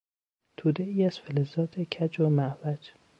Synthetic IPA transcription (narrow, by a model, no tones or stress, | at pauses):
t̪ʰuːd̪eiːæz̥felezɒːt̪ʰecʰæd͡ʒomæʔvæd͡ʒ